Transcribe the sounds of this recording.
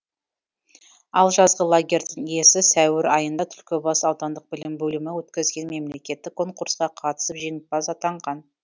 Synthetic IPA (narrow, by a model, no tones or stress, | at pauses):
ɑlˠʒɑzʁəlˠoɡʲe̞ɾʲd̪ɪŋjesɪsæwɪɾɑjənd̪ɑt̪ʰʏlkʲɪbɑsɑwt̪ɑnd̪əq̚bɪlɪmbɵlɪmɪwɵt̪kʲɪzɡʲe̞nme̞mle̞kʲe̞t̪ːɪkʰːo̞ŋquɾsqɑqʰɑt̪ə̥səpʒenɪp̚bɑsɑt̪ɑɴʁɑn